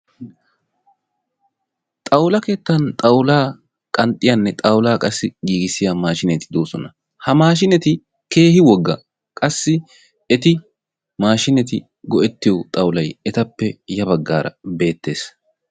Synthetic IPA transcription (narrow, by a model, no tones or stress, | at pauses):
t̪ʼɐwlɐke̞ːt̪ːɐnt̪ʼɐwlaː | kʼɐnt̪ʼɪjanːɛt̪ʼɐwlaːkʼɐsːɪɡiːɡɪsɪjamaːʃɪnɛt̪ɪ̥d̪o̞ːsɔnɐ | hɐmaːʃ̬ɪnɛt̪ɪ | ke̞ːhɪwɔɡːɐ̰ | kʼɐsːɪ | ɛt̪ɪ | maːʃɪnɛt̪ɪ | ɡɔʔɛt̪ːɪjɔt̪ʼɐwʊlɐjɛt̪ɐpːɛjɐbɐɡːa̰ːɾɐ̰be̞ːt̪ːe̞ːs